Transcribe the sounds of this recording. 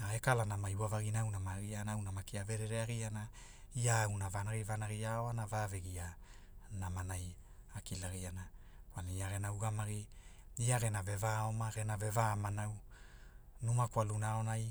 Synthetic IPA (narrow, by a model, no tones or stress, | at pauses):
aekalanamajwavaɡinawnamaɡianaawnamakiave̞ɾeɾeaɡiana | iaːwnavanaɣivanaɡiaoanavaveɡia | namanaj | akilaɣianakwaliiaɡe̞nawɡamaɡi | iaɾe̞nave̞vaomaɾenave̞vamanaw | numakwalunaonaj